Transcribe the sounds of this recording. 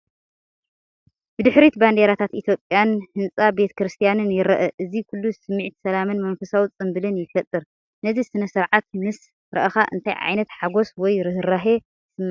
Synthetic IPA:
b̥ɨd̪ɨħɾit̪band̪e̞ɾat̪ʰat̪ʔit̪ʰjo̞pʼjanhɨnt͡sʼabe̞t̪ʰɐ̥kɾɨst̪ʰijanɨnjɪɾɐʔɐʔɨzikʰulːusɨmːɨʕt̪ʰi̥sɐlamɨnmɐnfɐsawt͡sʼɨmbɨlɨnjɪfɐt̪ʼːɨɾ | nɐzisɨnɐsɨɾʕat̪̚mɨs | ɾɐ̰ʔɐxa̰ʔɨ̰nt̪ʰajʕa̰jnɐt̪ħaɡo̞swɔjɾɨɦɨɾaɦe | sɨmː

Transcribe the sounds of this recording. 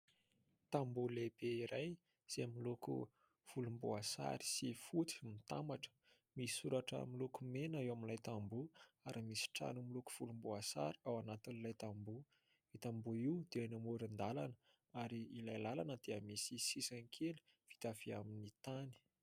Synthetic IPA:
t̪ambulebeiɾaj | z̥emilukṵ | v̥ulumbuasa̰ɾi̥sifut̪i̥mit̪amaʈ͡ʂə̥ | misi̥suɾaʈ͡ʂə̰milukumenaewaminlajt̪ambuaɾimisi̥ʈ͡ʂa̰numiluku̥v̥ulumbuasa̰ɾi̥awanat̪inilajt̪ambu | it̪ambuiwd̪̥eanamuɾind̪alanə | aɾiːlajlalanəd̪̥eəmisisisanikʰeli̥ | v̥i̥t̪av̥iaminit̪ani̥

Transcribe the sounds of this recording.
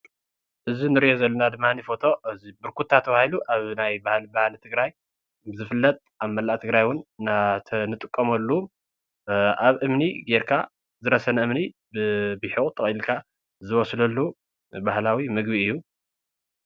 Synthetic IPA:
ʔɨzinɨɾiʔozɐlːɐnad̪ɨmːanifo̞t̪ʰo̞ɨzibɨɾkʰut̪ʰːat̪ʰːɐβahiluʔaβnajbahlbahlt̪ʰɨɡɾaj | bɨzɨfɨlːɐt̪ʼʔaβmɐlːaʔt̪ʰɨɡɾajwʊnnat̪ʰɐnɨt̪ʼɨkʼːɐmɐlːu | ʔaβʔɨmniɡeɾkʰa̰ | zɨɾɐsɐnɐɨmni | bɨbɨħikʼt̪ʼɨχʼilkʰa | zɨwɔslɐlːu | bahlawimɨɡbiɨjːu

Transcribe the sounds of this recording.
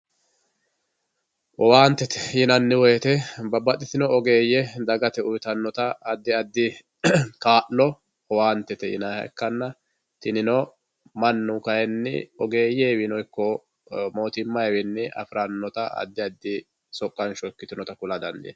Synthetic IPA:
ʔɔwaːnt̪ːɛt̪ɛ̥jɪnɐnːɪwɔjɛt̪ɛbɐbːɐt̪ʼːɪsɪnɔɔɡeːjːɛd̪ɐɡɐt̪ɛʊjt̪ɐnːɔt̪ɐːd̪ːɪɐd̪ːɪ | kaːʔlɔ | ɔwaːnt̪ːɛt̪ɛjɪ̰nahɐ̰ɛ̰kːɐnːɐ | t̪ɪnɪnɔ | mɐnːʊkɐjɛnːɪ̰ɔɡe̞ːjeːwɪnɔjkːɔ | mo̞ːt̪ɪmːɐjwɪnːɪʔɐ̰fɾɐnːɔt̪ɐɐ̰d̪ːɪɐd̪ːɪ | sɔkʼːɐnʃɔkːɪt̪ɪnɔt̪ɐkʊlɐd̪ɐnd̪ɪ̰

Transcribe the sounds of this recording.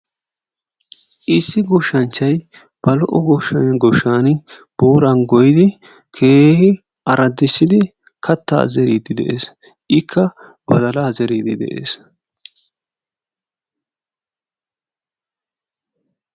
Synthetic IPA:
ʔɪsːɪɡʊʃːɐnt͡ʃːɐj | b̥ɐlɔʔɔɡɔʃːɐnɡɔʃːaːnb̥uːɾɐnɡɔjɪd̪ɪ | kʰeːhɪ | ʔɐɾɐd̪ːɪsːɪd̪ɪ | kʰɐt̪ːa̰ːzɛɾiːd̪ɪd̪ɛʔḛːs | ʔɪkʰːɐ | b̥ɐd̪ɐlaːzɛɾiːd̪ɪd̪ɛ̰ʔḛːs

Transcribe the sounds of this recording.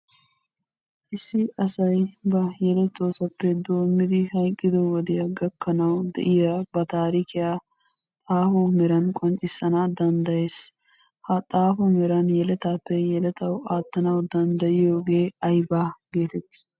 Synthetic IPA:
ʔɪsːɪʔɐsɐjbɐjɛlɛt̪ːoːsɐpːɛd̪o̞ːmːɪd̪ɪhɐjkʼːɪd̪ɔwɔd̪ɪjɐɡɐkːɐnɐwd̪ɛ̰ʔɪjabɐt̪aːɾiːkɪjaː | t̪ʼaːfʊmɛɾɐnkʼɔnt͡ʃʼːɪsːɐnaːd̪ɐnd̪ɐje̞ːs | hɐt̪ʼaːfʊmɛɾɐnjɛlɛt̪aːpːɛjɛlɛt̪ɐwaːt̪ːɐnɐwd̪ɐnd̪ɐjɪjo̞ːɡe̞ːɐjbaːɡ̥e̞ːt̪ɛt̪ːɪ̥

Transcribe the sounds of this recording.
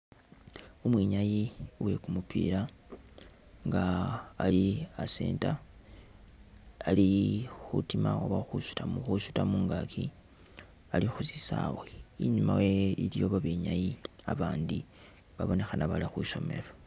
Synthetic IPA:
umwiɲajiwe̞kumupʰḭːɾa | ŋɡaːliasḛːnta | alixutimawaβaxusu̥tamuxuʃu̥tamuːŋɡakʰi | alixusisaweiɲumaweiljo̞βaβeɲajia̰βaːndi | βaβo̞ne̞xanaβalixwiʃo̞me̞̰ɾo

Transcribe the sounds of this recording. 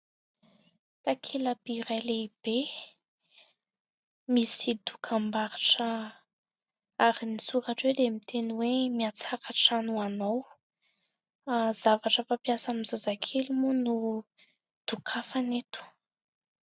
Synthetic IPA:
t̪akʰelabiɾaleib̥e | misid̪ukʰambaɾaʈ͡ʂə | aɾinisuɾaʈ͡ʂwed̪emit̪ʰeniwemiat͡sakaʈ͡ʂanuanow | zavaʈ͡ʂəfapjasamizazakʰelumunu | d̪̥ukʰafanet̪u̥

